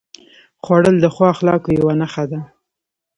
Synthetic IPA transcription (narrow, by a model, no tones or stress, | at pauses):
xwɑɽəld̪əxwɑxlɑkojawanaxad̪a